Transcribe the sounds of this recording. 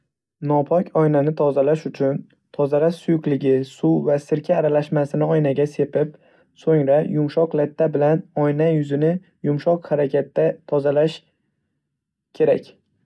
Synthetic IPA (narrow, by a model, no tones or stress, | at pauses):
nɒpʰɒkʲʰɒjnanɪt̪ʰɒzalaʃʊt͡ʃʰʊn | t̪ʰɒzalaʃsʊjʊklɪɡʲɪsuvasɪɾkʲʰaːɾalaʃmasɪnɪɒjnaɡʲase̞pɪp | soŋɾajʊmʃɒqlat̪ʰːabɪlanɒjnajʊzɪnɪ | jʊmʃɒqhaɾakʲʰat̪ːat̪ʰɒzalaʃ | kʲʰe̞ɾa̰kʲ